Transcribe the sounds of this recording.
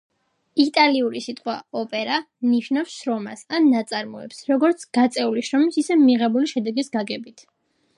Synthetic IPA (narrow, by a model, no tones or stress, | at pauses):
it̪ʼaliuɾisit̪ʼqʼwa̰ɔpʼɛɾa | mniʃnafsʃɾɔma̰sanːat̪sʼaɾmɔɛ̰psɾɔɡɔɾt̪sʰɡ̥at̪sʼɛuliʃɾɔmisisɛmiʁɛbuliʃɛd̪ɛɡisɡaɡɛbit̪ʰ